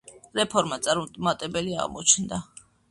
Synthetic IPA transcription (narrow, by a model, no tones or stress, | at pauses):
ɾɛpʰɔɾmat̪sʼaɾumt̪ʼmat̪ʼɛbɛlia̰ʁmɔt͡ʃʰnd̪a